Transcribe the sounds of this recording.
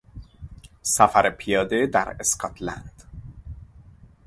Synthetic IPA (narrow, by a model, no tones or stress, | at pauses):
sæfæɾepʰijɒːd̪ed̪æɾeskʰɒt̪ʰlæ̰nd̪̥